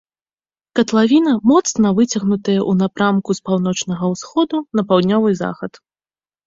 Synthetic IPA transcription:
kɐt̪lˠavʲinɐmɔt̪snɐvɨt͡sʲɐɣnut̪ɐjɛʔunapɾamkuspawnɔt͡ʂnɐɣɐwsxɔd̪unɐpawd̪ʲnʲɔvɨza̰xɐt̪

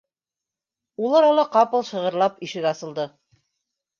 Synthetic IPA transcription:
ulˠɑɾɑlˠɑqɑpɤ̆lˠʃɤ̆ʁɤ̆ɾlˠɑpiʃɘ̆ɡɑsɤ̆lˠd̪ɤ

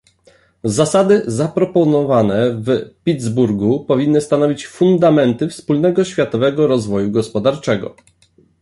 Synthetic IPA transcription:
zasad̪ɘzapɾɔpɔnɔvanɛvpʲid̪zbuɾɡupɔvʲinːɘst̪anɔvʲit͡ɕfund̪amɛnt̪ɘfspulnɛɡɔɕfʲjat̪ɔvɛɡɔɾɔzvɔjuɡɔspɔd̪aɾt͡ʂɛɡɔ̰

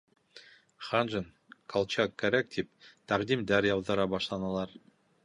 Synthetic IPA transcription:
χanʒən | kʰɑlˠt͡ɕakːæɾæk̚t̪ʰip̚t̪æʁd̪imd̪æɾjɑw̪ˠd̪ɤ̆ɾɑbɑʃlˠɑnɑlˠɑɾ

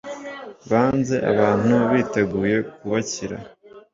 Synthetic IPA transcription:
βaːnze̞ʔa̰βaːn̥huβiːte̞ɡuːje̞k̚uβaciɾa̰

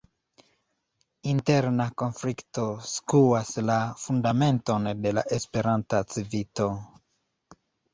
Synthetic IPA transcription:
inte̞ɾnako̞nflikto̞skuaslafundame̞nto̞nde̞la̰ʔespe̞ɾantat͡sivito̞

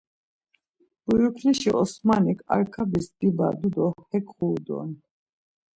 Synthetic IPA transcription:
b̥ujukʰliʃiʔɔsmanikʰa̰ɾkʰabisd̪̥iba̰d̪ud̪ɔhɛkʰχuːd̪ɔ̰n

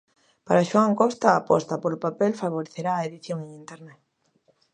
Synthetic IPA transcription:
paɾaʃwaŋkɔst̪aːpɔ̰st̪apolopapɛlfaβ̞oɾeθeɾaːeðiθjoŋẽŋint̪eɾnɛt

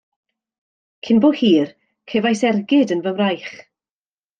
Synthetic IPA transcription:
kʰɪnbohiːr | kʰevajsɛrɡɪdənvəmrajχ

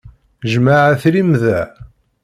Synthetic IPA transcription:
ʒmaʕæθɾimðæ

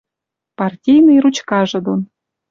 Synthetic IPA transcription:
pɑrtʲijnɨjrut͡ɕkɑʒɤ̆d̪on

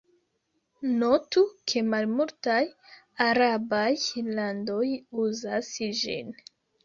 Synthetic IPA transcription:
no̞tukʰe̞malmultaj | aɾabajlando̞juzasd͡ʒḭn

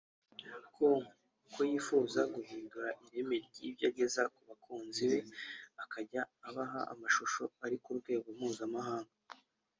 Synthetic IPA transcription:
kʰo | kʰojiːfuːzaɡuhiːnduɾaʔiɾe̞me̞ɾɟiβjaːɟe̞zakuβakʰuːnziβe̞akaɟaːβaɦaa̰maʃuʃo̞aɾikuɾɡwe̞ːɡomuːzamaɦaːŋɡa

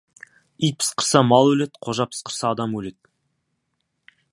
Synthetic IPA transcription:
ijt̪̚pʰɪ̥sqʰəɾsɑmɑlˠwɵle̞t̪qʰoʒɑpʰɪ̥sqʰəɾsɑːd̪ɑmwɵle̞t̪̚

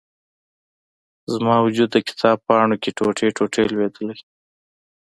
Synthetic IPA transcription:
zmɑwʊd͡ʒud̪ːəkɪ̥t̪ʰɑb̚pɑɳokeʈoʈʰeʈoʈʰelwed̪əla

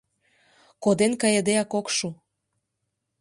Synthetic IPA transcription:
kod̪enkɑjed̪eɑkokʃu

